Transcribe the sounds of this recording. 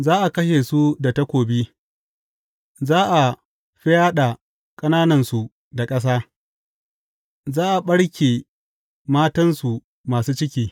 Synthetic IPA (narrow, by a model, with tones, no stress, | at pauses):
zaː˦ʔa˨kɐ˦ʃ̬eː˨su˦da˨tɐ˦kʷoː˨bi˦ | zaː˦ʔa˨ | ɸɪ˦jaː˦ɗa˨ | kʼɐ˦naː˦nɐ˨nsu˨ | da˨kʼɐ˦s̬aː˦ | zaː˦ʔa˨ɓɐ˦ɽkʲeː˨ | maː˦tɐ˦nsu˨ | maː˨suː˦t͡ʃɪ˦k̬ʲiː˦